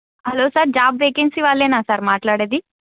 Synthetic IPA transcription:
hɐlosəɾd͡ʒaːbʋekinsiʋalenasaɾmaːʈlaɽed̪i

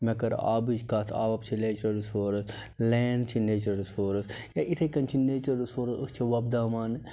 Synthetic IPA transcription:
mɐkɐɾa̰ːbid͡ʒkaːt̪ʰa̰ːbɐpt͡ʃʰileːt͡ʃɐɾsoːɾɐs | leːnɖt͡ʃʰineːt͡ʃɐɾsoːɾɐs | jaʔit̪ʰɐkɐnt͡ʃʰineːt͡ʃɐɾsoːɾɐst͡ʃʰiʋɐb̚d̪aːmaːn

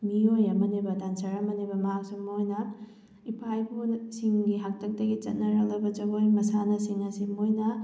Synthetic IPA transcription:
miojɐmɐnibɐdansɐɾɐmɐnibɐmɐɦak̚sumːojnɐ | ipʰajbusiŋɡiɦak̚tɐk̚dɐɡit͡ʃɐ̰t̚nɐɾɐlɐbɐt͡ʃɐɡojmɐsanɐsiŋɐsimojnɐ

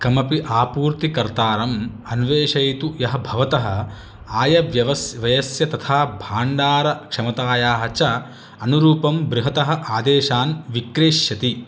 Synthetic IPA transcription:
kɾɐmɐpiʔaːpuːɾt̪ikɐɾt̪aːɾɐm | ɐnʋeːʂɐjt̪ujɐɦɐbʱɐʋɐt̪ɐɦɐ̆ | aːjɐʋjɐʋɐsʋɐjɐsjɐt̪ɐt̪ʰaːbʱaːɳɖaːɾɐkʂɐmɐt̪aːjaːɦɐt͡ʃɐ | ɐnuɾuːpɐmbɾiɦɐt̪ɐɦɐ̆ʔaːd̪eːʃaːnʋikɾeːʃjɐt̪i

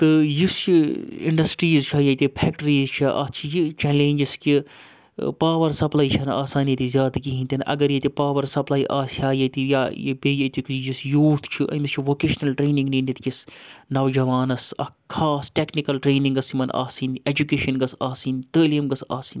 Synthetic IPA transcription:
t̪ɨjist͡ʃiḭɳɖɐsʈɾiːzt͡ʃʰɐjɐt̪ʲipʰɛːk̚ʈɐɾiːzt͡ʃʰɐʔɐ̰t͡ʃʰijit͡ʃɛlẽːnd͡ʒiski | paːʋɐɾsɐplaːit͡ʃʰɐna̰ːsaːniɐt̪izʲjaːd̪kiɦĩnt̪ʲɐnʔɐ̰ɡɐɾjet̪ʲipaːʋɐɾsɐplaːiʔaːsaːjɐt̪ija̰jebʲeːjɐt̪ʲikjisjuːt̪ʰt͡ʃʰiʔɐ̰mist͡ʃʰiʋoːkeːʃnɐlʈɾeːnĩŋɡniːnit̪kʲisnɐʋd͡ʒɐʋaːnɐsɐ̰kʰaːsʈeknikɐlʈɾeːnĩŋɡɐsimɐnʔa̰ːsiːned͡ʒukeːʃɐnɡɐsaːsiːnt̪əːlijɐmɡɐsa̰ːsiːn

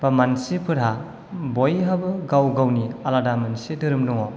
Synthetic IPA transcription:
b̥amansipʰɯɾɦa | bojɦabɯɡawɡawnialadamɯnsedɯɾɯmluŋɔ

